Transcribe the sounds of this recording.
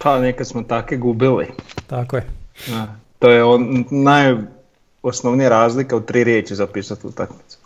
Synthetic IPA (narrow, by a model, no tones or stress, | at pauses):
pʰanekad̪smot̪akiɡubilḭt̪akojɛat̪ojeonnaj | osnoʋnijaɾaːzlikaut̪ːɾiɾjeːt͡ʃizapiːsat̪ṵt̪akmit̪su̥